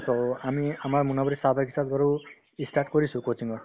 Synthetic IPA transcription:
tɔamiamaɹmunabɔɾisabʱakʰisat̪̚baɹu | istaʈkoɹisʊ̃kot͡siŋɡɔɹ

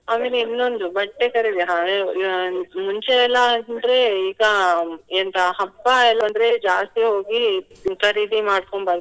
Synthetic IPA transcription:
aːme̞ːleinːo̞nd̪ubɐʈːekɐɾid̪ijaɦa | muɲt͡ʃeːlːɐnɐnd̪ɾe̞iːɡɐent̪ɐɦɐpːɐɛlːɐɐnd̪ɐɾed͡ʒaːst̪iɦoːɡikɐɾid̪imaːɽkoɳbaːɾd̪u

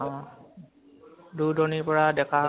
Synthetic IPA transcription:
ɔ̃ | dudɔniɹpɔɹadɛkʰa

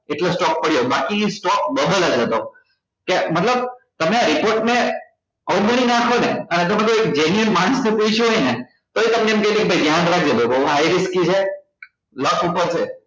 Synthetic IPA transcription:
eʈlosʈɔk̚pəɽjobakisʈɔk̚bəd̪əlad͡ʒet̪o | kemət̪ləb̚t̪əmeaɾipoɾʈne | əũməɽ̃inakʰoneənet̪əmẽt̪oek̚d͡ʒenjənmãst̪ʰipuiʃuɦojne | t̪oet̪əmneːmkəɦit̪ekebʱəjɡjanɾak̚ʰd͡ʒeb̪obəuɦajɾiskit͡ʃʰe | ləsupəɾt͡ʃʰe

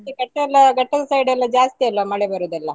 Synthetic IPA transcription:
iɡɐʈːɐlːɐɡɐʈːɐd̪ɐsɐjɖɛlːɐd͡ʒaːst̪iɐlːɐmɐɭebɐɾud̪ɛlːɐ

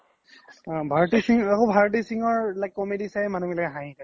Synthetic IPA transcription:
bʱaɹɔtisiŋakobʱaɹɔt̬isiŋɔɹlajkːɔmedisajmanukɛlɛkɛɦãɦĩta

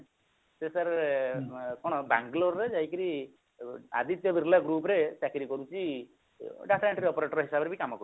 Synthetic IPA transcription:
sesaɾ | kɔɽ̃ɔbaŋɡloɾːed͡ʒajkiɾi | a̰d̪ʱit̪jɔbiɾlaɡɾuːpɔɾesakiɾikɔɾut͡ʃi | ɖapʰɾeʈɾiɔpɔɾeʈɔɾɦisabɔɾebʱikamɔkɔɾu

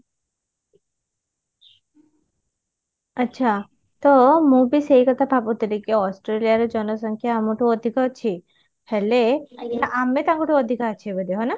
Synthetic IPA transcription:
ətːʃʰa | t̪ɔmũbʱiseɦikət̪ʰapapũt̪əlikeɔsʈɾelijaɾɔd͡ʒɔnɔsɔŋkʰjaːmuʈʰuɔd̪ʱikɔt͡ʃʰi | hɛleaʔamet̪ãŋkɔʈʰuɔd̪ʱikat͡ʃʰibəd̪eɦɔna

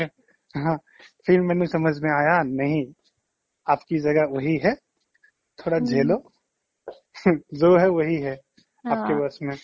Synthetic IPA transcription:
ɦãː | fʰɪɾmɛːnesɐməd͡ʒʱmẽaːjanɐɦĩ | aːpkid͡ʒɐɡəʋɐɦiɦɛ | t̪ʰoːɽad͡ʒʱeːlo | d͡ʒoɦɛʋɐɦiɦɛ | aːp̚kebɐsmẽ

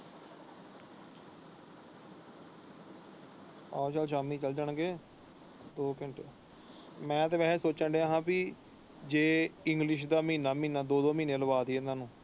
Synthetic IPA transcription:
ɔːt͡ʃəlʃ̬aːmĩːt͡ʃəld͡ʒəɳɡeː | d̪oːkɪɳʈː | mɛ̃ːt̪eːʋɛːsoːt͡ʃãːɳɖeɦãːpiː | d͡ʒeːɪŋɡlɪʃ̬d̪aːmiːnaːmiːnaːd̪oːd̪oːmiːneːləbaːd̪iɛnãːnũː

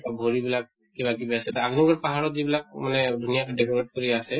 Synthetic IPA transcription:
ʈabʱoɹibilak̚ːibakibiasɛt̪aaɡnɔɡɔɹpaɦaɹɔt̪̚zibilak̚manɛdʱunijatɔɖekɔmeʈ̚koɹiasɛ

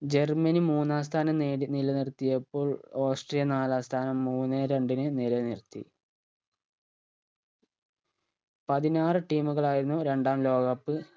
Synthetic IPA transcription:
d͡ʑe̞rmɐnimuːnːaːs̬t̪ʰaːnɐmneːɽinilɐnirt̪ːijɐpːoːɭo̞ːsʈrijɐnaːlaːst̪ʰaːnɐmːuːnːeɾe̞ɳɖinɨnilɐnirt̪ːḭ | pɐðinaːrɨʈiːmuɣɐɭaːjiɾunːuɾe̞ɳɖaːmlo̞ːɡɐpːɨ

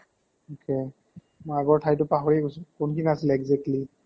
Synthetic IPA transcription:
okʰe | mɔaɡɔɹtʰajtʊpaɦoɹiɡoskʊnkʰiniasilɛɡzɛk̚tli

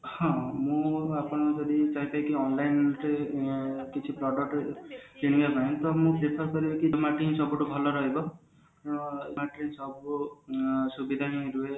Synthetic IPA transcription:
hɔ̃mũapɔɽ̃ɔd͡ʒɔd̪it͡ʃaĩkaĩkiɔnlajnɾe | kit͡ʃʰipɾɔɖɔk̚ʈet̪iɽ̃ĩkazaĩt̪ɔmũpɾepʰaɾkɔɾibɔkimaʈĩɦsɔbuʈubʱɔlɔɾɔɦebɔ | maʈɾisɔbu | subid̪ʱaɦĩɾue

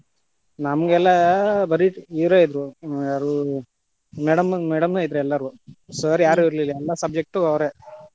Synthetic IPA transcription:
nɐmɐɡɛlːɐbɐɾiʈiʋɾeːid̪ɾuɐɾu | mɛɽɐmmɛɽɐmeid̪ɾuɛlːɐɾusɐɾijaːɾuiɾlilːaɛlːɐsɐb̚d͡ʒek̚ʈuɐwɾe

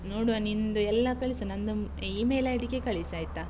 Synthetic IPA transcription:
noːɽuɐnind̪uɛlːɐkɐɭisunɐnd̪u | iːmejlɐjʈikːekɐɭisaːjt̪ːa

